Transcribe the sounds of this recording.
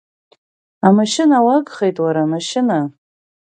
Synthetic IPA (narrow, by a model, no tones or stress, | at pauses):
amaʃɪnawaɡχe̞jtʼwaɾamaʃɪna